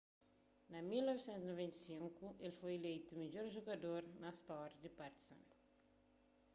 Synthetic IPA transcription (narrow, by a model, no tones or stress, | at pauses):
nɐmilnɔvisɛ̃nt̪uzinovẽnt̪ɐ̥sĩŋkuʔelfojelejt̪umid͡ʒoɾʒoɡɐd̪oɾnɐst̪ɔɾjɐd̪ipaɾt̪i̥sɐ̰̃n